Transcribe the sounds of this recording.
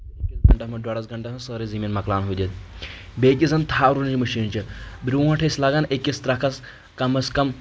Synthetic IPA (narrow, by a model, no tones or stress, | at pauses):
kʲitɡʱɐɳʈɐmɐɖwaːɽɐsɡʱɐɳʈɐɦɐsəɾiziminmɐklaːnɦujd̪et̪̚ | beːkʲizɐnt̪ʰaːɾunt͡ʃimɐʃiːnt͡ʃibɾʲuʋãʈʰɐslaːɡaːnekʲːist̪ɾaːkʰɐs | kɐmɐskɐm